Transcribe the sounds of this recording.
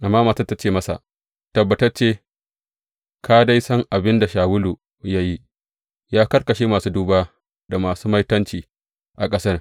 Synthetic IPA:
ʔa˨mːaː˦maː˨tɐ˦tːɐ˦t͡ʃeː˦˨mɐ˦sa̰˨ʔ | tɐ˨bːɐ˨tɐ˦rt͡ʃeː˦ | kʰaː˦da˦jsɐ˦ŋʔa˨bɪ˦nda˨ʃaː˨wʊ˦luː˨ | ja˦ji˦ʔ | jaː˦kɐ˦rkɐ˨ʃeː˦maː˨suː˦duː˦baː˦ | da˨maː˨suː˦mɐ˦jtɐ˦nt͡ʃiː˨ | ʔa˨kʼɐ˦sɐ˦r

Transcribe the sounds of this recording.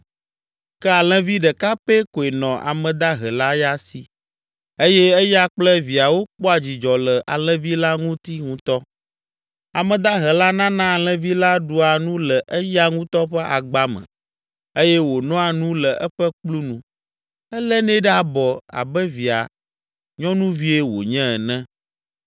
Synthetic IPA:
kɛ˦a˨l̃ɛ̃˦vi˦ɖɛ˨ka˦pe˦ko˨e˨nɔ̃˨ʔa̰˨mɛ̃˨d̪a˦ɦɛ˨la˦ja˦si˨ | e˦jɛ˦e˦ja˦k͡plə˦vi˨a˨wo˦k͡pɔ˦a˨d͡ʑi˨d͡ʒɔ˨lə˨ʔa̰˨lɛ̃˦vi˦la˦ŋũ˦t̪i˦ŋũ˦t̪ɔ˦ | a˨mɛ̃˨d̪a˦ɦɛ˨la˦nã˦nã˦˨lɛ̃˦vi˦la˦ɖu˨a˨nũ˦lɛ˨ʔɛ˦ja˦ŋũ˦t̪ɔ˦ɸɛ˦ʔa˨ɡ͡ba˦mɛ̰̃˨ | e˦jɛ˦wo˨nɔ̃˦a˨nũ˦lə˨ɛ˦ɸɛ˦k͡plu˦nũ˨ | ɛ˦lɛ˦nɛ̃˦ɖɛ˦a˨bɔ˨a̰˨bɛ˦vi˨a̰˨ | ɲɔ̃˦nũ˦vi˦e˦wo̰˨ɲɛ̃˦ɛ˨nɛ̃˦

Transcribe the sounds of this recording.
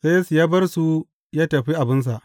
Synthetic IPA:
se˦ja˦su˨jaː˦bɐ˦rsu˦ | jaː˦tɐ˨ɸi˦ʔa˨bɪ˦ns̬a˨ʔ

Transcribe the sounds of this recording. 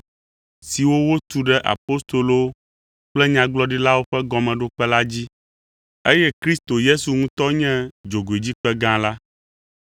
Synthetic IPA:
si˨wo˦wo˦t̪u˨ɖɛ˦ʔa̰˨po˦st̪o˨lo˦ | k͡plɛ˦ɲã˨ɡ͡blɔ˦ɖi˦la˦wo˦ɸɛ˦ɡɔ˨mɛ̃˨ɖo˦k͡pɛ˦la˦d͡ʑi˦ | e˦jɛ˦kɾi˦st̪o˨je˦su˨ŋũ˦t̪ɔ˦ɲɛ̃˦d͡ʒo˨ɡo˨e˨d͡ʑi˦k͡pɛ˦ɡã˦la˦

